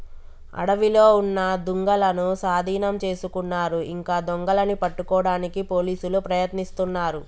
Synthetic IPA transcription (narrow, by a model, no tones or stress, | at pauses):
ɐ̰ɽɐʋilo̞ːunːɐd̪uŋɡɐlɐnusaːd̪ʱiːnɐmt͡ʃe̞ːsukunːaːɾuiŋkaːd̪ɔŋɡɐlɐnipɐʈːukɔːɽaːnikipo̞ːliːsulupɾɐjɐt̪nist̪unːaːɾu